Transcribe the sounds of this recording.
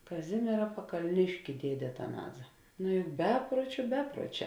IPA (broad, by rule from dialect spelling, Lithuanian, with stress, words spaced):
kɐˈzʲɪmʲiɛrɐ pɐkɐlʲˈnʲɪʃʲkʲɪ ˈdʲiɛdʲeː ɐtɐˈnɑːzɐ ˈnʊ jʊk ˈbʲæːpruɔt͡ʃʲʊ ˈbʲæːpruɔˌt͡ʃʲɛː